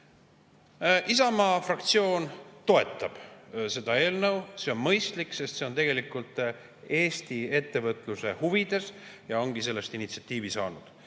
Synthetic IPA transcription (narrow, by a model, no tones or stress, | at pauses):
ʔisɑmɑːfrɑk̚t̪sio̞ːnt̪o̞e̞t̪ːˑɑb̥se̞d̪̥ɑe̞ːlnəwse̞o̞nmɤjst̪likse̞st̪seo̞nt̪e̞ɡ̥e̞likˑult̪ˑ | e̞ːst̪ie̞t̪ːe̞vɤt̪ːˑluse̞huvid̪̥e̞sjɑo̞ŋɡ̥ise̞lːe̞st̪init̪siɑt̪ˑːiːvisɑːnud̪̥